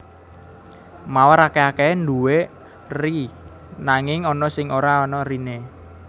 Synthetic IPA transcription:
mawəɾakeakend̪uwe | ri | naŋɪŋɔnɔsɪŋoɾaɔnɔrine

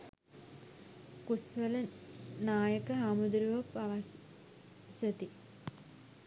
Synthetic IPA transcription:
kusʋələnaːjəkəɦaːmud̪ɾiʋɐpaʋɐs | sɐt̪i

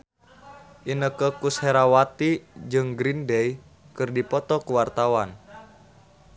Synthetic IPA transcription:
ʔinəkəkusheɾawat̪id͡ʒɨŋɡɾindɛj | kɨrdipɔt̪ɔkəwart̪awan

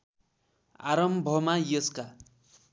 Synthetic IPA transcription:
a̰ɾʌmbʱʌmajʌska

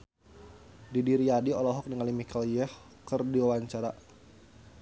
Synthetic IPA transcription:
didiɾiadiɔlɔɦɔk̚niŋalimikaljəh | kərdiwawaɲt͡ʃaɾa

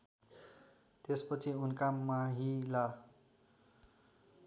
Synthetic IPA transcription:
t̪espʌt͡sʰiunkamːaɦila

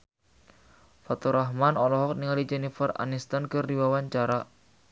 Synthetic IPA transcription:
fat̪uɾʔaɦmanɔlɔɦɔk̚niŋalid͡ʒɛnifəra̰nist̪ankɨrːiwawaɲt͡ʃaɾa

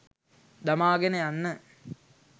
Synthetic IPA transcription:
d̪ɐmaːɡɐnejanːə

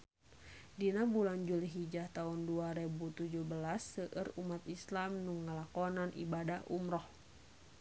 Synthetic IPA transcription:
dinabuland͡ʒuliɦid͡ʒaht̪aunduaɾɛbut̪ud͡ʒuhbəlasːəʔərumat̪̚islamnuŋːalakɔnanʔḭbadahʔṵmɾɔh

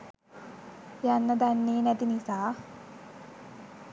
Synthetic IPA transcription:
janːɐd̪ɐnːiːnɐt̪inisaː

